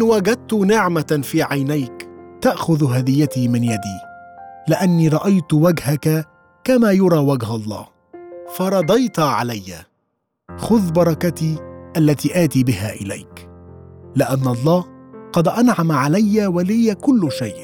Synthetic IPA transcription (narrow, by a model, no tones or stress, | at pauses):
ʔɪnwaːɡad̪̚t̪ʊnɪʕmafiːʕajnajkt̪aʔxʊðɦad̪ɪjːat̪iːmɪnjad̪iːlɪʔanːiːɾˤɑʔajt̪waɡhaka | kamaːjʊɾˤɑːwaɡɦalˤːɑ̰ː | fɑɾˤɑd̪ˤɑjt̪ʕalajːa̰ | xʊðbɑɾˤɑkat̪iːʔalːat̪iːʔaːt̪iːbɪɦa̰ːʔɪla̰jk | lɪʔanːʔɑlˤːɑːhqɑd̪ʔanʕamaʕalajːawalɪjakʊlːʃajʔ